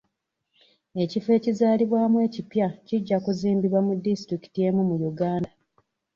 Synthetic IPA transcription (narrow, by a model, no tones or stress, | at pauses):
e̞cife̞ːcizaːliβwaːmwe̞ːcipjaciɟːakuziːmbiβwamudːistɾiki̥tije̞mumujuɡaːnda